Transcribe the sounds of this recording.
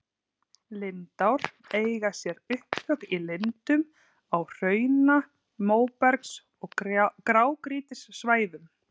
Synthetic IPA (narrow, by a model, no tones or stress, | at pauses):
lɪnt̪awɾ̥ | eːjɣasjɛɾʏhphœkilɪnt̪ʏm | awr̥œːɥna | moːwpɛɾks | ɔɣkɾaːwkɾiːt̪ɪsːvaːjðʏm